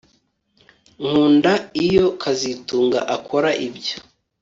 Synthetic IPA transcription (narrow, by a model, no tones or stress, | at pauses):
ŋ̥uːndaijo̞kʰazituːŋɡa̰ʔakʰoɾaʔibjo